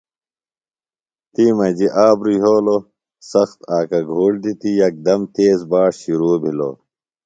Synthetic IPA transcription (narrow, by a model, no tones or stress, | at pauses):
t̪iːmɐd͡ʑiʔaːbɾuɦoːlo | sɐxt̪aːkɐɡʱuːɽd̪it̪ijɐk̚d̪ɐmt̪eːzbaːʂɕiɾuːbʱilo̰